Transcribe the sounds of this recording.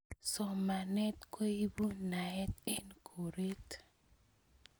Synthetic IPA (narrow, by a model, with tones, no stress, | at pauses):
sɔ˨ma˨nɛ˦t̪̚ko˦i˦bu˦na˨ɛ˦t̪̚e˦nkʰo˨ɾe˦t̪